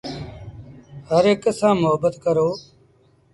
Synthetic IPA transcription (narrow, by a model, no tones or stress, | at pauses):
ɦəɾeːkəsãːmʊɦəbət̪kəɾoː